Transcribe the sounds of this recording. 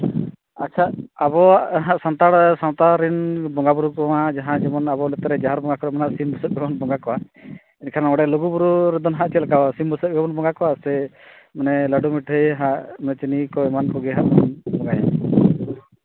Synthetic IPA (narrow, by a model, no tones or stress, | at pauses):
atːt͡ʃʰaabɔaʔɦaʔsant̪aɽsant̪aɾinbɔŋɡabuɾukɔwad͡ʒaɦãd͡ʒɛmɔnabɔnɛt̪ɾɛd͡ʒaɦaɾbɔŋɡakɔɾɛmanaʔsimbusək̚bɛbɔnbɔŋɡakɔwa | inkʰaɾnaɔɽɛloɡubuɾuɾɛd̪ɔnɦaʔt͡ʃɛlakasimbusət̚bʱɛbɔnbɔŋɡakɔwasɛ | manɛləɖumiʈʰəjɦaʔmanɛt͡ʃinikɔɛmankɔɡɛɦaʔmanbɔŋɡaja